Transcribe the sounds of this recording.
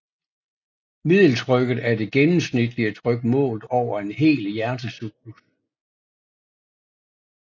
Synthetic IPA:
mið̰ˠl̩t͡sʰʁœɡ̥ð̞̩ˠæɐd̥e̝ɡ̥enm̩snid̥liət͡sʰʁœɡ̥əmɔ̰̽ːlð̩ˠɒʊ̰ɐe̝nɦe̝̰ːljæɐd̥əsyɡ̥ʰlus

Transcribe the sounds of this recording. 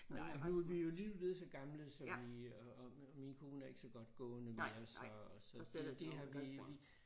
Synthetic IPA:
menænuæʋijo̝liʋeð̩ˠsɒ̽ɡ̥ɑ̈mləsɒ̽ʋi | minkʰo̝ːnəæɐe̝ɡ̥əsɒ̽ɡ̥ɒ̽d̥ɡ̥ɔ̰̽ːnəmsɒsɒ̽ded̥e̝ɦɑ̈ʋiʋi

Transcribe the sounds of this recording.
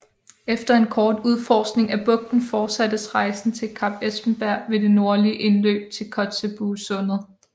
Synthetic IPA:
efd̥ɐe̝nkʰɒːd̥uðˠfɒːsɡ̥ne̝ŋæb̥ɔ̽ɡ̥̚d̥n̩fɒ̥ːsæd̥əsʁɑ̈ɪsn̩t͡sʰe̝lkʰɑ̈b̥esb̥m̩b̥æɐ̰ʋe̝de̝no̝ɐliəʔe̝nlø̰ːb̥̚t͡sʰe̝lkʰɒ̽d̥seb̥uːsɔ̽nð̩ˠ

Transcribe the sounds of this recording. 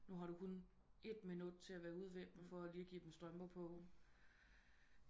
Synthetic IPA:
nuɦɑ̈ɾ̥ukʰun | e̝d̥minud̥t͡sʰe̝læʋæːɐuð̞ˠʋeb̥m̩fɒ̽æliːɡ̥ḭːd̥em̩sd̥ʁɶmb̥ɐpʰɔ̽

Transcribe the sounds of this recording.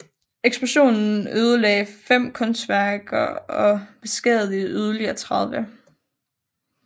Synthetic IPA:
eɡ̥sb̥ʁuɕo̝̰ːnn̩øːð̞ˠəlɛ̰ɪfem̰kʰɔ̽nsd̥ʋæɐɡ̥ɐɒ̽b̥e̝sɡ̥ɛððˠiyð̞ˠɐliɐːt͡sʰʁɑ̈ð̞ˠʋə

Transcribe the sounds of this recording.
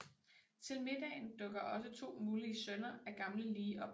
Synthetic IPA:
t͡sʰe̝lme̝d̥ɛ̰ɪnd̥ɔ̽ɡ̥ɐʔɒ̽sət͡sʰo̝̰ːmuːliəsœnɐæɡ̥ɑ̈mləliːʔɒ̽b̥

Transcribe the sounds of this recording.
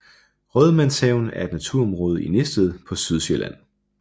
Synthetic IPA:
ʁœð̞ˠmænsɛʊn̩æɐe̝d̥næt͡sʰuɐɒmʁɔːð̞̩ˠinesd̥əð̞ˠpʰɒ̽syð̞ˠselʔæn̰

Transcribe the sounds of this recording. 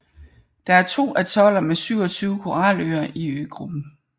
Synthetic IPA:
d̥ɑ̈æɐt͡sʰo̝̰ːʔæt͡sʰɒ̽l̰ɐmesyʊ̰ɒ̽t͡sʰyːʊkʰo̝ʁɑ̈ːlø̰ːɐiø̰ːɡ̥ʁub̥n̩

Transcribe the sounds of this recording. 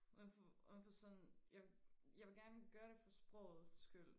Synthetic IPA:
uðnfɒuðnfɒsɒ̽njɑjɑɪʋe̝lɡ̥æɐnəɡ̥ɶːɐɾ̥e̝fɒ̽sb̥ʁɔ̰ʊð̩ˠsɡ̥yl̰

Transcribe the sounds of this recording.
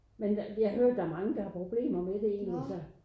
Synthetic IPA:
menjɑahøɐ̰d̥ːɑ̈æɐmɑ̈ŋəd̥ɑ̈hɑ̈pʰʁo̝b̥le̝̰ːmɐmed̥e̝e̝̰ːnælsɒ

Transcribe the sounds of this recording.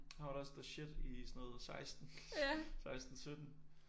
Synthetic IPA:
hɑʋɾɒsd̥ɐɕed̥isɔnɔ̽ːð̩ˠsɑ̈ɪsd̥n̩sɑ̈ɪsd̥n̩sød̥n̩

